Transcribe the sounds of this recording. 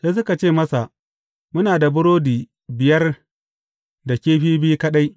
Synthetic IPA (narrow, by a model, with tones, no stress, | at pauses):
seː˦s̬ʊ˦ka˨t͡ʃeː˦˨mɐ˦sa˨ʔ | mʊ˦naː˨da˨bʊ˦ɾoː˦diː˨ | bɪ˨jɐ˦r | da˨kʲeː˦ɸiː˦biː˦kɐ˦ɗa˦j